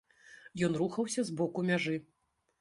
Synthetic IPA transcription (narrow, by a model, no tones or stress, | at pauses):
jɔnɾuxɐwsʲɐzbɔkumʲaʐɨ